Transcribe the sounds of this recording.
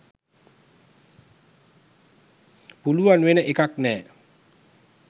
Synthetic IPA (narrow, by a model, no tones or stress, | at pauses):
puluanwenəʔekaknɛː